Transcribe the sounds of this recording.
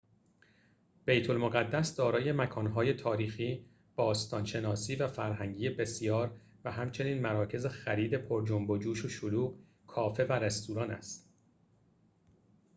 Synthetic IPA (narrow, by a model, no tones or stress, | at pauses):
b̥e̞jt̪ʰo̞lmoɣæd̪ːæsd̪ɒːɾɒːje̞mækʰɒːnɦɒːje̞t̪ʰɒːɾiːxiː | b̥ɒːst̪ʰɒːnʃe̞nɒːsiːvæfæɾɦæŋɟiːebe̞sijɒːɾ | væɦæmt͡ʃʰe̞niːnmæɾɒːcʰe̞zexæɾiːd̪e̞pʰoɾd͡ʒombod͡ʒuːʃoʃoluːɣ | kʰɒːfe̞væɾest̪uːɾɒːnæ̰st̪